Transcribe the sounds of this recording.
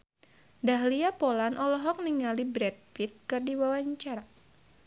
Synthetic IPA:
daɦliapolanʔɔlɔɦɔk̚niŋalibɾɛd̚fit̪̚kɨrdiwawaɲt͡ʃaɾa

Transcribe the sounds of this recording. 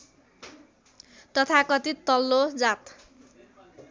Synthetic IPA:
t̪ʌt̪ʰakʌt̪it̪ʌlːod͡zat̪

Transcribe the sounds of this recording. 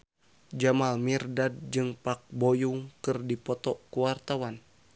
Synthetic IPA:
d͡ʒamalmirdad̚d͡ʒɨŋpak̚bojuŋkɨrdipɔt̪ɔkuwart̪awan

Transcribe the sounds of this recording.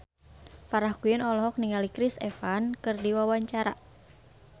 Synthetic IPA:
faɾahkujənɔlɔɦɔk̚niŋalikɾisɛfankɨrdiwawaɲt͡ʃaɾa

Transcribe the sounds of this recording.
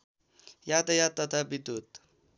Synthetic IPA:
jat̪əjat̪ːʌt̪ʰabid̪ut̪

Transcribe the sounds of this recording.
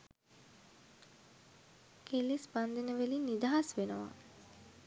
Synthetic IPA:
kʰelispand̪enəʋelinːid̪aɦasʋenəʋa̰

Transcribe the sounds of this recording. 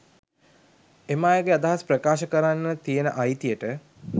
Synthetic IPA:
emaːjəɡead̪aɦasprəkaːʃəkəɾanːət̪ijenəʔajt̪ijəʈə

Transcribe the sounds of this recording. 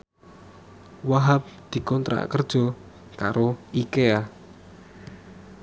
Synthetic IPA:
waɦap̚d̪̥i̤kɔnt̪ɾa̰kərd̥ʒ̥ɔ̤ | kaɾoikea

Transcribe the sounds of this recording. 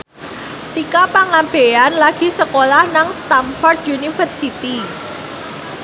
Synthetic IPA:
t̪ikapaŋab̥eanlaɡ̥i̤səkolahnaŋst̪anfɔrd̪junifərsit̪i

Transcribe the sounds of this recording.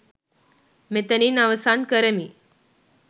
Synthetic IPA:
met̪əniːnaʋəsankəɾəmi

